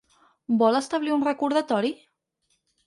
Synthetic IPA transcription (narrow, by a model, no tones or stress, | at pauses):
bɔləst̪aβliunrəkuɾðat̪ɔɾi